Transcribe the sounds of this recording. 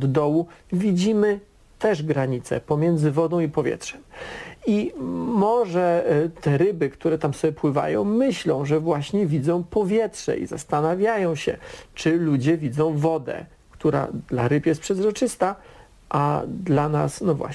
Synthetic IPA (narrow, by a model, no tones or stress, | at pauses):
d̪d̪ɔwuvʲid͡ʑimɘ | t̪ɛʐɡɾaɲit̪sɛ̰pɔmʲjɛnd̪zɘvɔd̪ɔ̃w̃ipɔvʲjɛ̰tʂɛmimɔʐɛt̪ɛɾɘbɘkt̪uɾɛt̪amsɔbjɛpwɘva̰jɔ̰̃w̃mɘɕlɔ̃w̃ʐɛvwaɕɲɛvʲid̪zɔ̃w̃pɔvʲjɛtʂɛ̰ʔḭza̰st̪anavʲjajɔ̃w̃ɕɛ̰t͡ʂɘlud͡ʑɛvʲid̪zɔ̃w̃vɔd̪ɛ̰ | kt̪uɾa̰d̪laɾɘpjɛst̪pʂɛzɾɔt͡ʂɘst̪a | ʔad̪lana̰snɔvwa̰